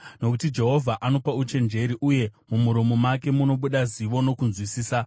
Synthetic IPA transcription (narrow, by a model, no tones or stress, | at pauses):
no̞kutid͡ʒe̞ɦo̞vʱaʔano̞paut͡ʃe̞nd͡ʒe̞ɾiʔuje̞mumuɾomo̞make̞muno̞ɓuɗaziʋo̞no̞kunzwisiːsa